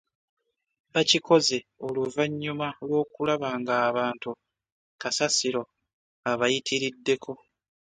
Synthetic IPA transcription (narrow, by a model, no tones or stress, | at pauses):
βacikʰo̞ze̞o̞luvaɲːumalwo̞ːkulaβaːŋɡaːβaːntu | kasasiɾo̞ | aβajitʰiɾidːe̞kʰo̞